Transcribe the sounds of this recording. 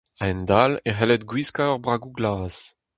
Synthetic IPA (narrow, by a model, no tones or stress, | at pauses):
aɛnd̪aleɦɛlɛt̪ɡwiskaɔʁbʁaːɡuɡlaːz̥